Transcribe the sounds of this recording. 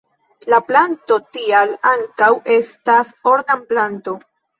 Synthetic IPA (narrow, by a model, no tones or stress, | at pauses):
laplanto̞tialaŋkawʔe̞stasoɾdamplanto̞